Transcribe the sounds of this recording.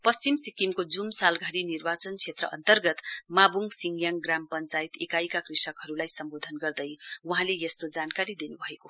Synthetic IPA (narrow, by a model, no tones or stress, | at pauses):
pʌst͡simsikimkod͡zumsalɡʱaɾinirbat͡sʌnt͡sʰet̪rʌʔʌ̰nt̪ʌrɡʌt̪mabʱuŋsiŋɡjaŋɡrampʌnt͡sait̪ekajkakrisʌkɦʌɾulajsʌmbod̪ʱʌnɡʌrd̪ʌjuɦãlejest̪od͡zankaɾid̪enubʱʌeko